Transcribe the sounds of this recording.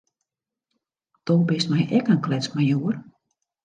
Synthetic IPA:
d̥obɪstmɛjʔɛkənklɛt͡smajuər

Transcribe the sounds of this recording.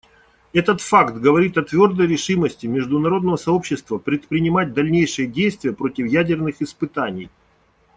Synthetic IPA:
ɛt̪ət̪fakt̪ɡəvɐɾʲit̪ɐt̪vʲo̞rd̪əjɾʲɪʂɨməsʲtʲɪmʲɪʐd̪ʊnɐɾo̞d̪nəvəsɐo̞pɕːɪst̪vəpɾʲɪt̪pɾʲɪnʲɪmat̚ʲd̪ɐlʲnʲejʂɨjədʲejst̪vʲɪjəpɾo̞tʲɪfjædʲɪrnɨxɪspɨt̪anʲɪj

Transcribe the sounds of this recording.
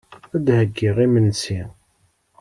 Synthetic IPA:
æd̪həɡːiʁimənsi

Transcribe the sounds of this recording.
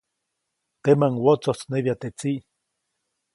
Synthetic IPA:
t̪emaŋwot͡sot͡sneβjat̪eʔt͡siʔ

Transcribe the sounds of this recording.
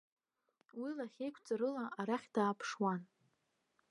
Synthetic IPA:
wilaχʲejkʷʰʼt͡sʼaɾɨlaʔaɾaχʲd̥aːpʰʂwan

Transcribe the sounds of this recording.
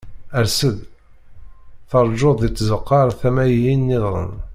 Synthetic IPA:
əɾsəð | θəɾˤʒoðˤit͡s̪ːzəqːɑɾˤθæmæjjinːɪðˤɾˤə̰n

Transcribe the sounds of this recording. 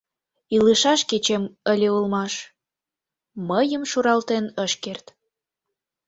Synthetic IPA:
iləʃɑʃket͡ɕeməlʲeulmɑʃ | məjəmʃuɾɑlt̪enəʃkert̪

